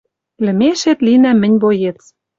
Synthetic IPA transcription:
lɘ̆meʃet̪linæmɘ̆nʲβojet͡s

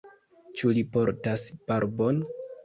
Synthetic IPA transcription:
t͡ʃulipo̞ɾtasb̥aɾbon

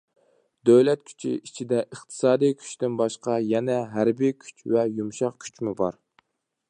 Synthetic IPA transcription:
d̪øwlɛt̪̚kʲʰy̥t͡ʃʰḭit͡ʃʰid̪ɛʔəχt̪ʰɨ̥sɑːd̪ɨjkʲʰy̥t͡ʃt̪ɪnbɑʃqɑjɛnɛɦæɾbijkʲʰy̥t͡ʃvɛjumʃɑqkʲʰy̥t͡ʃmubɑ̰ɾ

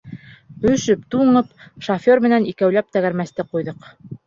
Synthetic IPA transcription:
ɵ̆ʃɵp̚t̪uɴɤpʃofʲoɾmɘ̆nænikæwlæp̚t̪æɣæɾmæst̪ɘqujðɤq

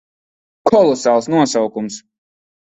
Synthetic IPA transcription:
kʰɔlˠɔsaːlˠsnuɔsawkums

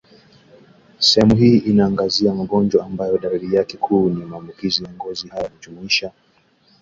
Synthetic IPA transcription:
sɛhɛmuɦiːʔinaːŋɡaziamaɠɔnd͡ʒwaːmbajɔɗaɾiɾijakɛkʰuːnimaːmbukizijaŋɡɔzihajanud͡ʒumuiʃa

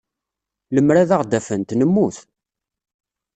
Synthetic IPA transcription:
ləmːɾaðaʁd̪æfənt̪nəmːuθ

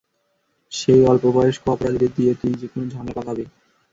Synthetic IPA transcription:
ʃejɔlpobaeʃkoɔpoɾad̪ʱiɾed̪ijet̪ijd͡ʑekonod͡ʑʱamlapat̪abe

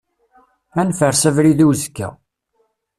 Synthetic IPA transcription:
ænfəɾsævɾiðuwzkːæ̰

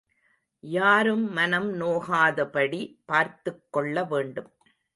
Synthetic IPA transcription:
jaːɾɯmːɐnɐmnoːɣaːðɐpɐɽipaːɾt̪ɯkːɔɭːɐʋeːɳɖɯm

